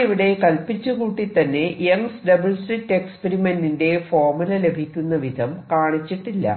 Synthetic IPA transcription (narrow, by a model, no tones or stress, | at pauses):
iʋiɽe̞kɐlpit͡ɕːukuːʈːit̪ːɐnːe̞jeŋsɖɐbɐlsʈritːe̞kspeɾimenːinde̞foːrmulɐle̞bʱikʲːunːɐʋid̪ʱɐmkaːɳit͡ɕːiʈːilːɐ̰